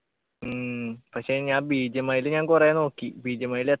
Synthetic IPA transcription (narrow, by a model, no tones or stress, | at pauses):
ɨpɐkʂe̞ɲaːnbiːd͡ʑɐmɐjilɲaːnkureno̞ːkːibiːd͡ʑɐmɐːjile